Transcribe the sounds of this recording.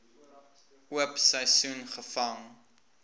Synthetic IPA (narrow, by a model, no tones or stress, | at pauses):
uəpsɛjsunχəfɐŋ